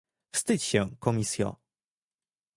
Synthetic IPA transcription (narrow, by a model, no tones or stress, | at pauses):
fst̪ɘt͡ɕɕɛ̃kɔmʲisʲjɔ̰̃